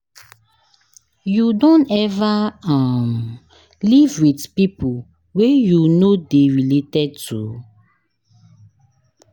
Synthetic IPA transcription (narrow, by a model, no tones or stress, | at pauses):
judɔ̃nɛvaam | livwidpipu | wejunodeɹiletɛd̚tʰṵ